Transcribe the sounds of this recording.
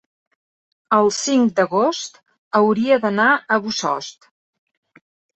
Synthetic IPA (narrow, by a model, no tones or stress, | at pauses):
əlˠsiŋd̪əɣost̪ | əwɾiəðənaəβusɔ̰st̪